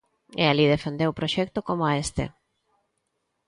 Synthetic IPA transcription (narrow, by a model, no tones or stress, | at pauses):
ḛaliðefend̪ewpɾoʃɛk̚t̪okomoaest̪ḛ